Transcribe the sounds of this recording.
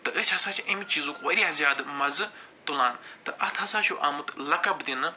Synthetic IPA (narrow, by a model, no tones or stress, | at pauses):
t̪ɨəsʲhɐsãːt͡ʃʰiʔɐmit͡ʃiːzuːkʋɐɾʲiɐzʲjaːd̪ɨmɐzɨt̪ulaːnt̪ɨʔɐt̪ʰɦɐsãːt͡ʃʰuʔɐmɨt̪lɐkɐbd̪inɨ